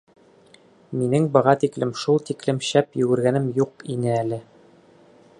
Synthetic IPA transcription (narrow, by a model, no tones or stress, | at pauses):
minɘŋbɤ̆ʁɑt̪iklɘmʃulˠt̪iklɘmɕæpjɵɡɘ̆ɾɡænɘmjuqinɘælɘ